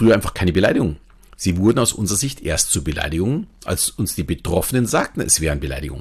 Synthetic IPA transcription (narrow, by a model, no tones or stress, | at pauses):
fʁ̥yːɐaɪfaχkʰaɪnəbəlaɪɾɪɡʊŋ | z̥iːvʊɐdn̩aʊsʔʊ̰nzəʁɐzɪçtʔḛːɐstt͡suːɐbəla̰ɪdɪɡʊŋʔa̰lsʊnsd̥iːbətʁ̥ɔfənənzaːk̚tn̩ɛ̰sv̥ɛːʁənbəla̰ɪdɪɡʊ̰ŋ